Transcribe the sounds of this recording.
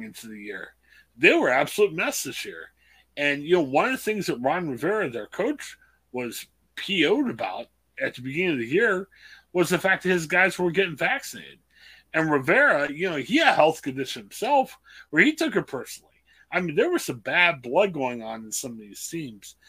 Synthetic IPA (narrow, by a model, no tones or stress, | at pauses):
ŋɪ̃ntʰʉðɨjɪɹ | ðeɪwə˞æb̥səlut̚mɛsɨʒ̥hḭɹ | ɨ̃njɨnoʊwʌ̃nʌvðɨθɪ̃ŋzðət̚ɹɑ̃n̩ɹɨvɛɹɨðəə˞kʰoʊt͡ʃ | wʌz̥ | pʰioʊɾɨba̰ʊɾ̚ | ɨt̪̚ðɨbɨɡɪ̃nɪ̃ŋʌvðɨjɪɹwʌzðɨfæk̚ðɨhɨzɡaɪzwə˞ɡɛɾɪ̃ŋvæksɨneɪɾɨ̰ɾ | ɨ̃nɹɨvɛɹɨjɨnoʊiɨɾhɛlˠθkɨ̃ndɪʃñ̩m̩sɛlˠf | wə˞itʰʊkə˞pʰɜ˞sn̩l̩ˠḭ | ʔaɪmĩnðə˞wʌz̥ɨbæd̚blʌd̚ɡoʊɪ̃ŋə̃nɨ̃nsʌ̃mʌðiz̥sĩmz̥